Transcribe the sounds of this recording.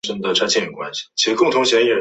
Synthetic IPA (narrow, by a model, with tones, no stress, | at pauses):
ʂə˥nd̪ə˨ʈ͡ʂʰa˥ɪt͡ɕʰjɛ˥˩jo˨˩kwa̰˥nɕi̥˨˩t͡ɕʰi˧˥ʂɻ̩˧˥kʊ˥˩ŋt̪ʰʊ˧˥ŋɕjɛ˧˥˩ɛ˨˩